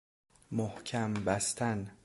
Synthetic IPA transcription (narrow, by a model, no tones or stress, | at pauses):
mohcʰæmbæst̪ʰæn